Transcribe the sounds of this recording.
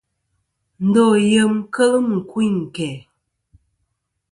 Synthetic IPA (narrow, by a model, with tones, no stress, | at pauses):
n̩˨˦dɔ˦˨jə˦˨mkə˦lə˦m˨ŋ̩˨kwi˦˨kɛ˨